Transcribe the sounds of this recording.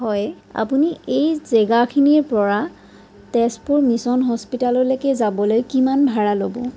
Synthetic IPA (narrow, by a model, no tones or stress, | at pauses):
ɦɔj | a̰puniejzɛɡakʰiniɹpɔɹa | tɛspuɹmisɔnɦɔspitalɔɹlekɛzabɔlojkimanbʱaɹalobɔ̰